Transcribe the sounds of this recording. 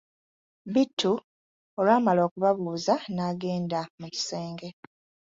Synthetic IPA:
bitʰːu | olaːmalo̞ːkuβaβuːzanaːɡe̞ːndamuci̥seːŋɡe̞

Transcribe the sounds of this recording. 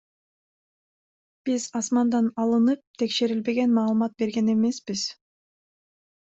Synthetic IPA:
b̥izɑsmɑnd̪ɑnɑlˠɯnɯp̚t̪ʰe̞kʃe̞ɾilbe̞ɡe̞nmɑːlˠɯmɑt̪̚be̞ɾɡe̞ne̞me̞sbiz̥

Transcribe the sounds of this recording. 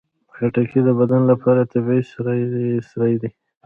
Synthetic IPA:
pxaʈakʰid̪əbad̪anlapʰɑɾat̪abisɾasɾajd̪i

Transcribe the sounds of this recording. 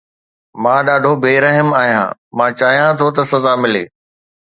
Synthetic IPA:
mãːɗaːɖʱobʱeːɾɐɦəmaːɦijã̰ːmãːt͡ɕaːɦijãt̪ʰot̪̬ɐsɐzaːmɪlḛː

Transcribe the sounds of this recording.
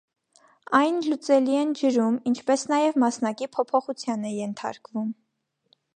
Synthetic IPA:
ɑjnlut͡sɛliɛnd͡ʒəɾumint͡ʃʰpɛsnɑjɛvmɑsn̪ɑkipʰɔpʰɔχut͡sʰjɑnɛjɛnt̪ʰɑ̰ɾkvum

